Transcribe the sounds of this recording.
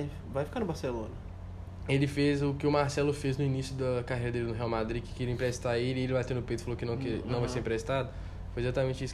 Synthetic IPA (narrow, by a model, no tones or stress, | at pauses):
j | vajfi̥kaɾnʊbaɾselõnɐ | elɪfezʊkɪʊmaɾsɛlʊfeznʊinisjʊd̪ɐkaɦejɾɐd̪elɪnʊɦeawmad̪ɾikɪ̥kiɾĩpɾɛst̪aelɪelɪvajt̪ẽnd̪ʊpejt̪ɪ̥falokɪnɐ̃w̃kɛnɐ̃w̃vajseɾ̃pɾest̪ad̪ʊ | fojezat̪amẽnt͡ʃɪisʊ